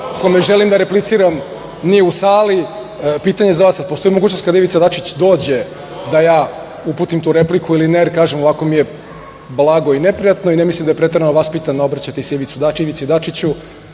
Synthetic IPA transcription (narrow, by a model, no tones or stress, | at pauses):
komeʒelimd̪aɾeplit̪siɾam | nijeusaːli | piːt̪aɲe̞zaʋaːsːad̪̚post̪o̞jimoɡuːt͡ɕnost̪kad̪aiʋit̪sad̪at͡ʃit͡ɕd̪o̞ːd͡ʑe̞ | d̪ajaː | uput̪imt̪uːɾeplikʰuilineɾkaːʒemoʋako̞mije | blˠaɡo̞inepɾijat̪noinemislimd̪ajepɾet̪eɾanoʋaspit̪and̪aobɾat͡ɕat̪eisiʋit̪sud̪aiʋit̪seid̪at͡ʃit͡ɕu